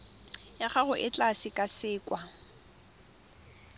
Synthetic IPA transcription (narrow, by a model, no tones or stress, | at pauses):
jaχaɣʊʔɪt͡ɬʼaʃɪkʼasɪːkʼwa